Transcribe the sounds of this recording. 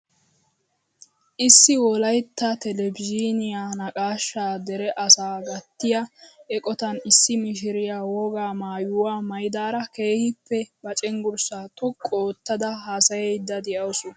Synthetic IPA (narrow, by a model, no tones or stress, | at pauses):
ʔɪsːɪwɔlɐjt̪ːɐt̪ɛlɛbɪd͡ʒinɪjaːnɐkʼaːʃːaːd̪ɛɾɛʔɐsaːɡɐt̪ːɪjaɛkʼɔt̪ɐnɪsːɪmɪʃ̬ɪɾɪjaːwɔɡaːmaːjʊwaːmɐjɪd̪aːɾɐke̞ːhɪpːɛbɐt͡ʃʼɛŋɡʊɾsaːt̪ɔkʼːoːt̪ːɐd̪ɐɦaːsɐjɛjd̪ːɐd̪ɛʔɐwsɔ